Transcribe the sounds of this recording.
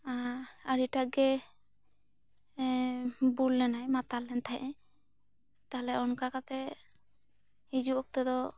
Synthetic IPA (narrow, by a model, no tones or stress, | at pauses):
aaɾiʈaɡɛ | bulːɛnajmat̪alɛnt̪ʰajʔɛ̃ | t̪aɦlɛɔnkakat̪ɛ | hid͡ʒuɔk̚t̪ɛd̪ɔ